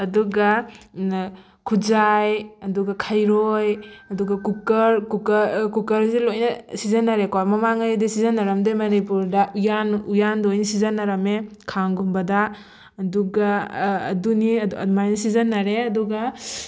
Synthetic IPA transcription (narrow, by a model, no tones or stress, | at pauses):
ɐduɡa | kʰud͡ʒajɐduɡakʰajɾojɐduɡakukɐɾkukɐkukɐɾzilojnɐsizanːaɾekɔmɐmaŋajdisizanːaɾɐmdemɐnipuɾdaujanujandojnisizanːaɾɐme | kʰaŋɡumbɐda | ɐduɡa̰ːdunimajnɐsizɐnːaɾeɐduɡa